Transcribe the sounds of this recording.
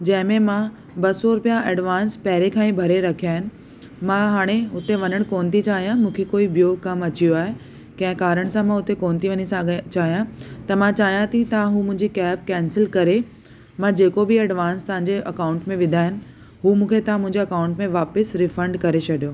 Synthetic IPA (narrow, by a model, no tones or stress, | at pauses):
d͡ʑɐ̃ɦɪ̃mẽmã | bɐsoɾʊpijaʔɐɖʋaːnspɐɦɾekʰãːĩbʱɐɾeɾɐkʰiaːɦɪnɪ̆ | mãɦaːɽ̃eʊt̪eʋɐɲəɽ̃koːnt̪it͡ɕaːɦijãmũːkʰekoːibijokɐmɐt͡ɕijoaːɦe | kɐ̃ɦɪ̃kaːɾəɽ̃sãmãʊt̪ekoːnt̪iʋɐɲisãt͡ɕaːɦijãt̪ɐmãt͡ɕaːɦijãt̪it̪ɐʋãɦũːmʊ̃ɦɪ̃ɲd͡ʑikɛːp̚kɛːnsɪlkɐɾe | mãd͡ʑeːkobɪɐɖʋãːnst̪ɐʋ̤ãɲd͡ʑeʔɐkaːʊ̃ɳʈmẽʋɪ̃nd̪ʱaːɦɪnɪ̆ | ɦuːmũːkʰet̪ɐʋ̤ãmʊ̃ɦɪ̃ɲd͡ʑeɐkaːʊ̃ɳʈmẽʋaːpəsɾɪfə̃ɳɖkɐɾet͡ɕʰɐɗijoː